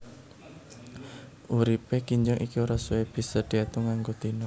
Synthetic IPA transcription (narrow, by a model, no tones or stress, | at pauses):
ʔuɾipekiɲd͡ʒɔŋʔikioɾasueb̥i̤səd̪̥iat̪uŋaŋɡot̪inɔ